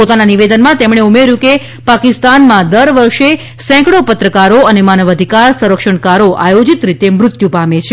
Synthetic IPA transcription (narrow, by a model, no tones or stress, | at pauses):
pot̪ananiʋed̪ənmãt̪emɽ̃eumeɾjũke | pakist̪anmãd̪əɾʋəɾʃe | sɛ̃kɽopət̪ɾəkaɾoənemanəʋəd̪ʱikaɾsə̃ɾəkʃəɳkaɾoʔajod͡ʒit̪ɾit̪emɾʊt̪jũpamet͡ʃʰe